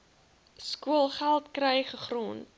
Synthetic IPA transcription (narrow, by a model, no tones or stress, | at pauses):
skuəlˠχælˠtkrɛjχəχrun